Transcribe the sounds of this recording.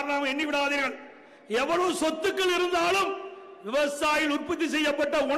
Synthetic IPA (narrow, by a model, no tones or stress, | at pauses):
ɾɳaːmɐɛɳːiʋɪɽaːðiːɾɣɐɭ | ɛʋːɐɭoːsɔt̪ːɯkːɐɭɪɾɯnd̪aːlɯm | ʋɪʋɐsaːjɪlʊrpɐt̪̬ːisɛjːɐpːɐʈːɐʊɳ